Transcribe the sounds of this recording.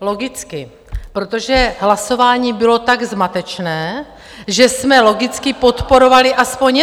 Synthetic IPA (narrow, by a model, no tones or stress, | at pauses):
lo̞ɡɪt͡skɪ | pɾot̪oʒɛɦlaso̞vaːɲiːbɪlo̞t̪aɡzmat̪ɛt͡ʃnɛː | ʒɛsmɛlo̞ɡɪt͡skɪpo̞t̪po̞ɾo̞valɪʔaspo̞ɲ